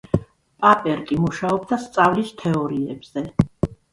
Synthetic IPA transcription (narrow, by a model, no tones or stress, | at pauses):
pʼapʼɛɾkʼimuʃaɔbd̪ast̪sʼavlist̪ʰɛɔɾiɛbz̥ɛ